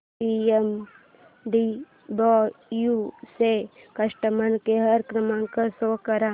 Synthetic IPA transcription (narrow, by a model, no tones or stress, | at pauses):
iem | ɖi | bɔjusekɐʂʈəmɐnkeɦɐɾkɾəmãŋkasokɐɾa